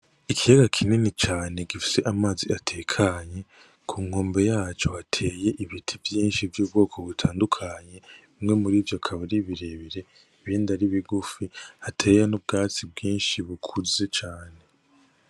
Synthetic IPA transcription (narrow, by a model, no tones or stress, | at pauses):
ikijaɡakʰininit͡ʃaːne̞ɡifi̥se̞ʔamaːziatʰeːkʰaɲe̞ | kʰuːŋ̥o̞ːmbe̞jaːt͡ʃo̞hatʰe̞ːje̞ʔiβitʰivjiːnʃivjuːbɡo̞ːkʰo̞βutʰaːndukʰaɲe̞ | imŋe̞muɾiːvjokʰaβaɾiβiɾeβiɾe̞ | βindaɾiβiɡufihatʰe̞ːjanub̚ɡaːt͡sibɡiːnʃiβukʰuze̞t͡ʃaːne̞